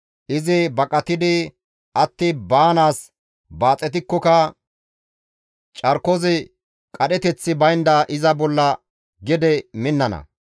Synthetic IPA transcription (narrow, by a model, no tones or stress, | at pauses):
ʔɪzɪbɐkʼɐt̪ɪd̪ɪ | ɐt̪ːɪbaːnaːs | baːt͡sʼːɛt̪ɪkːɔkɐ | t͡ʃʼɐɾkɔzɪ | kʼɐɗɛt̪ɛt͡sːɪbɐjnd̪ɐʔɪzɐbɔlːɐ | ɡɛd̪ɛmɪnːɐnɐ̰